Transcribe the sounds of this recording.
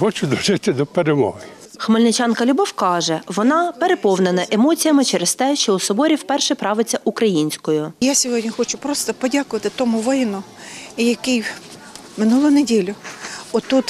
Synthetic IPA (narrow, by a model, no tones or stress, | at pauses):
xɔt͡ʃʊd̪ɔʒɪt̪ɪd̪ɔpeɾemɔɦɪ | xmelʲnɪt͡ʃɑnkɐlʲʊbɔwkɑʒɛʋɔnɑpeɾepɔwnenɐʔemɔt͡sʲijɐmɪt͡ʃɛɾest̪ɛʃt͡ʃɔusɔbɔɾʲiwpɛrʃɛpɾɑʋɪt͡sʲːɐʔukɾɐjinʲsʲkɔjʊjasʲɔɦɔdʲnʲixɔt͡ʃʊpɾɔst̪ɔpɔdʲakʊʋɐt̪ɪt̪ɔmʊʋɪjɪnʊ | ijɐkɪj | mɪnulˠʊjnedʲilʲʊɔt̪ut̪